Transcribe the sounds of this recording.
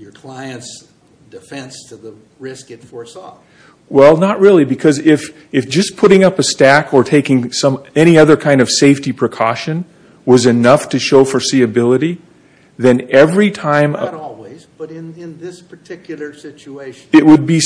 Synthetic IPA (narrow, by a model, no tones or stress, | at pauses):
jə˞kʰl̥aɪɨ̃nts | d̥ɨfɛ̃nstʰɨðə | ɹɪskɨtfɔɹsɔ̰ | wɛlˠnəʔ̚ɹɪlˠibɨkʰʌzɪf | ɨfd̥ʒ̥ʌspʰʊɾɪ̃ŋʌpɨstækʰə˞tʰeɪkɪ̃ŋsʌ̃mɛñiʌðə˞kʰãɪ̃ndʌv̥seɪftipʰɹ̥ɨkʰɔʃɨ̃n | wʌzɨnʌftʰɨʃoʊfə˞siɨbɪlˠəɾi | ðɨ̃nɛvɹitʰãɪ̃mɾɔlˠwizb̥ʌɾɪ̃nɪ̃nðɪspʰə˞tʰɪkjl̩ˠə˞sɪt͡ʃueɪʃɨʔ̚wɨd̚bi